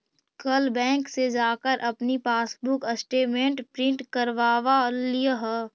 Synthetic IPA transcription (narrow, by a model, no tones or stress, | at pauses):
kɐlbɛ̃ːŋksed͡ʒaːkəɾʔɐpnipaːsbʊkɐsʈeːmẽɳʈpɾɪ̃ɳʈkɐɾʋaːʋalijəɦə